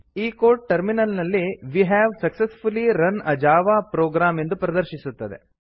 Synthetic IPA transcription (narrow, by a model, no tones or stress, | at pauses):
iːkoːɾʈ̚ʈɐɾminɐlnɐlːiʋiɦɛːʋsɐksesfuliɾɐnɐd͡ʒaːʋaːpɾoːɡɾaːme̞nd̪upɾɐd̪ɐɾʃisut̪ːɐd̪ḛ